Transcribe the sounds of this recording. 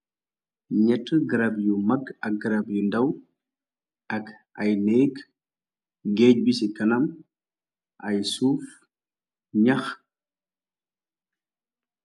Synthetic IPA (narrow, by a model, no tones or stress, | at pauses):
ɲɛtːɡɐɾɐbjumɐɡɐk̚ɡɐɾɐbjundɐw | ʔɐk | ɐjnɛːk | ɡɛːɟ̚bisikɐnɐm | ʔɐjsuːf | ɲɐx